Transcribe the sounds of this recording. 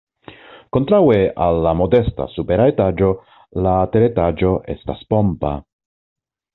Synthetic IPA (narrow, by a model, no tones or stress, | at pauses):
ko̞ntɾawe̞alːamo̞de̞sta̰supeɾaetad͡ʒo̞ | lateɾetad͡ʒo̞ʔe̞̰staspo̞mpa̰